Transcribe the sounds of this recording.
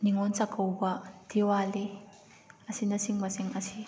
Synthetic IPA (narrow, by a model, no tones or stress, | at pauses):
niŋɔnt͡sɐkɐwbɐt̪iwali | ɐsinɐsiŋmɐsiŋɐsi